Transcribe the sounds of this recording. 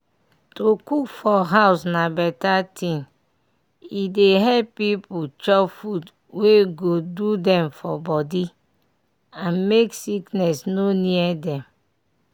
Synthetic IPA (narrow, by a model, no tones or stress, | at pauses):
tokukfɔɦaʊsnabɛtatʰĩn | ideɦɛlppiput͡ʃɔfud | weɡodudɛ̃mfɔbɔdi | ãnmeksiknɛsnoniɛdɛ̃m